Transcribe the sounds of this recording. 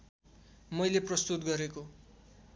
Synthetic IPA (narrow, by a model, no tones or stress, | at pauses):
mʌjleprʌst̪ut̪̚ɡʌɾeko